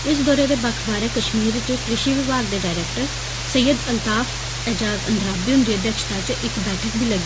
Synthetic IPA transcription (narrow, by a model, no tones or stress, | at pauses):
ɪsd̪ɔːɾeːd̪eːbəkʰbaːɾeːkəʃmiːɾt͡ʃəkɾɪʃiːʋiːʋaːɡ̚d̪eːɖaːɾɛːkʈəɾ | səjːəd̪əlt̪aːfʰ | ɛːd͡ʒaːzə̰nd̪ɾaːbiːʊnd̪ɾiəd̪jəkʃt̪aːt͡ʃʔɪkbɛːʈʰək̚bʱiːləɡːe